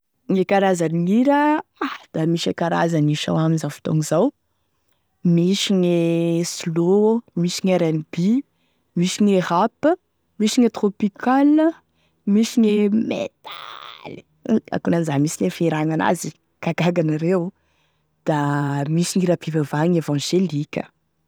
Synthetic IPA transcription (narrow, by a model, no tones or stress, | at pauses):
ŋekaɾazaniniɾəad̪̥amiʃekaɾa̰zaniʃa̰waminzafi̥t̪o̰ŋizaw | miʃiɲeslomisiŋaɾanib̥i | misiɲeɦapə | miʃiŋet̪ɾopikʰalə | miʃiɲemḛt̪ali̥ | a̰kunanzamisinefeɾaŋana̰zi | kaɡaɡanaɾew | d̪̥amisiŋiɾapivavaŋevɑ̃ʒelikʲə̥̰